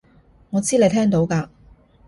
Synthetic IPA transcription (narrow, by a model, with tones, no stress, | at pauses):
ŋɔː˨˧t͡siː˥le˨˧jt̪ʰɛː˥ŋt̪o˨˥wkaː˧